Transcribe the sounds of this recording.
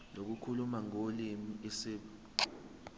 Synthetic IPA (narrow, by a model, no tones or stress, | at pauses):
lok̬ukʰulumaŋolimiisiːɓu